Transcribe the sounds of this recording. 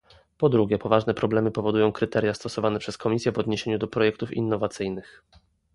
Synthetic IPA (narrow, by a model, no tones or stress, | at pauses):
pɔd̪ɾuɡʲjɛpɔvaʐnɛpɾɔblɛmɘpɔvɔd̪ujɔ̃w̃kɾɘt̪ɛɾjast̪ɔsɔvanɛpʂɛskɔmʲisʲjɛvɔd̪ɲeɕeɲud̪ɔpɾɔjɛk̚t̪ufḭnːɔvat̪sɘjnɘx